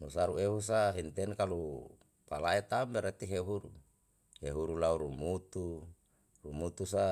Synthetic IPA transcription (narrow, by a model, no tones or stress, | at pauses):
nusaɾueɦus̬aɦint̪ɛnkalu | palaet̪ambɛɾet̪iɦeɦuɾu | heɦuɾulauɾumut̪u | rumut̪usa